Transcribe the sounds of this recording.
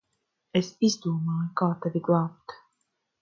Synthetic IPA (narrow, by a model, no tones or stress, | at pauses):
esizd̪uɔmɑːjukaːt̪avʲiɡlˠɑːp̚t̪